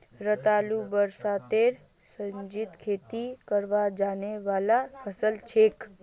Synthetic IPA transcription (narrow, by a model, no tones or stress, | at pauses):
ɾət̪alubəɾsat̪eɾ | sə̃ɲd͡ʒit̪kʰet̪ikəɾʋad͡ʒaneʋalahəsəlt͡ʃʰek